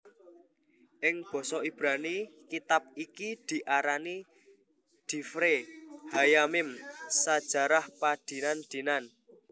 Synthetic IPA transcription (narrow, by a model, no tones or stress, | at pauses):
ʔɪŋb̥ɔ̤sɔib̥ɾanikit̪ap̚ikid̪̥i̤ʔaɾani | d̪̥i̤fɾehajamɪmsad̥ʒ̥a̤ɾahpad̪̥i̤nand̪̥i̤nan